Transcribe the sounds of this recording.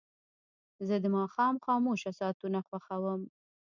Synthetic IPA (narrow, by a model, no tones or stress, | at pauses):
zəd̪əmɑxɑmxɑːmoʃasɑt̪unaxwaxawəm